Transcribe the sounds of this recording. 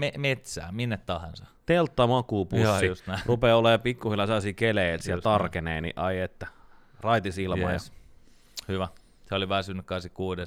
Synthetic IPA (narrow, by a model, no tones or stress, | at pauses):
memet̪sæ̰ːminːet̪t̪ːɑhɑnsɑt̪elt̪ːɑmɑkuːpusːiust̪nærupeːolːɑjɑpikːuhilːɑselːɑsiːkeleit̪siæt̪ɑrkeneinḭʔɑiet̪ːæ | rɑit̪isilmɑ̰jɑ̰ | hyʋæ | seoliʋæːsynːykkɑˑnsikkuːdes